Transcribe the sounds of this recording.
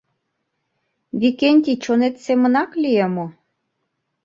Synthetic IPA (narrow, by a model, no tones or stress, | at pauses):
βikenʲt̪ʲit͡ɕonet̪semənɑklʲiəmo